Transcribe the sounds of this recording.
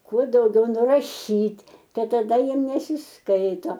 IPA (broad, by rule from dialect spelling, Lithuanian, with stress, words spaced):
ˈkuɔ dɐʊˈɡʲɛʊ nʊrɐˈʃʲiːtʲ ˈtɐɪ tɐˈdɐ ˈjiɛm nʲɛsʲɪsˈkɐɪtoː